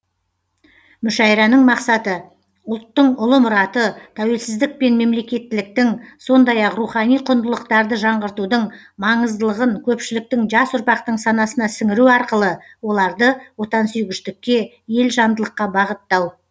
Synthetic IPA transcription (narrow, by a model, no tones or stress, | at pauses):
mʏʃɑjɾɑnəɴmɑqsɑt̪ə | ʊlˠt̪ːəɴʊlˠəmʊɾɑt̪ət̪ʰæwe̞lsɪzd̪ɪk̚pe̞nme̞mle̞kʲe̞t̪ːɪlɪk̚t̪ɪŋso̞nd̪ɑjɑqruχɑnijqʰʊnd̪əlˠəqt̪ɑɾd̪əʒɑɴʁəɾt̪ud̪əɴ | mɑɴəzd̪əlˠəʁəŋkʲʰɵpʃɪlɪk̚t̪ɪŋʒɑsʊɾpɑqt̪əɴsɑnɑsənɑsɪŋɪɾuɑɾqəlˠə | wo̞lˠɑɾd̪əwo̞t̪ɑnsʏjɡʲɪʃt̪ɪkʲːe̞ | je̞lʒɑnd̪əlˠəqːɑbɑʁət̪ːɑw